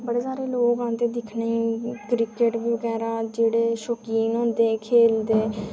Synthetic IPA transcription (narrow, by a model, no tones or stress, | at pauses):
bəɽeːsaːɾeːloːɡãːnt̪eːd̪ɪkʰnaiːkɾɪkeʈʋʋəɡɛːɾaːd͡ʒeːɽeːʃɔːkiːnɦõːnd̪eːkʰeːld̪eː